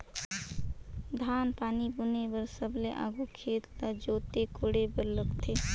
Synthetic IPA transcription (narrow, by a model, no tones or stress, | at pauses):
d̪ʱaːnpaːnibunebəɾsəbleʔa̰ːɡukʰeːt̪t̪ad͡ʒoːt̪ekoːɽebəɾləkt̪ʰe